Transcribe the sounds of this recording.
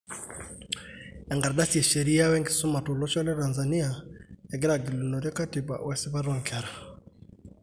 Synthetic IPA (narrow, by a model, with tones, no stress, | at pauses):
ɛ˨ŋɡa˨ɾɗa˦sie˨ʃe˨ɾi˦a˦wɛ˦ŋɡi˨su˦ma˨to˨lɔ˦t͡ʃɔ˦lɛ˦ta˨nza˨ni˦a˨ɛ˨ɡɛ˦ɾa˨ɡi˨lu˨no˨ɾɔ˦ka˦ti˨ba̰˨wɛ˨si˦βa˦ɾɔ˦ŋkʰɛ˨ɾa˨